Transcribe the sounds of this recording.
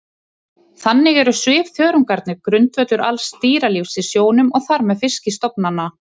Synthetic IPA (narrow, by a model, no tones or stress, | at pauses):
θanːɪɣɛɾʏsvɪːvθjœːɾʏŋkaɾt̪nɪkɾʏnt̪vœt̪ʏɾa̰lsːt̪iːɾalifsɪsjoːwnʏmɔɣθaɾmɛðfɪscɪst̪ɔpnanːa